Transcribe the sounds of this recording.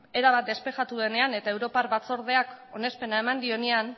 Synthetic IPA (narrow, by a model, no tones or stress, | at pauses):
e̞ɾaβat̪̚d̪e̞spe̞ʝat̪uðe̞ne̞ane̞t̪ae̞wɾo̞parβat͡so̞ɾð̞e̞ako̞ne̞spe̞nae̞mand̪io̞nean